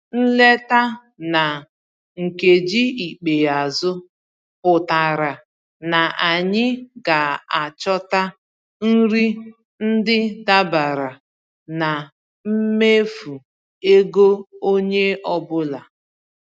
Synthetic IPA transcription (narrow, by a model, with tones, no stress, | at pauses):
n̩˦le˦ta˦ | na˨ | ŋ̩˨ke˨d͡ʒi˦i˨k͡pe˨a˨zʊ˦ | pʊ˨ta˨ɾa˨ | na˨ʔa˨ɲɪ˦ɡa˨a˨t͡ʃɔ˦ta˦ | n̩˦ɾi˦ | n̩˦dɪ˦da˦ba˨ɾa˨ | na˨ | m̩˦me˦fu˨ | e˦ɡo˦o˦ɲe˦ɔ˦bʊ˦la˨